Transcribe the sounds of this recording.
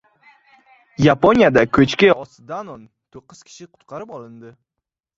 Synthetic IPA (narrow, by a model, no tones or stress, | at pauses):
japonʲjad̪akʲʰɵt͡ʃkʲɪɒsd̪anɒn | t̪ʰoqːɨz̥kʲʰɪ̥ʃɪqʰʊ̥t̪qʰɑɾɪpɒlˠɪnd̪ɪ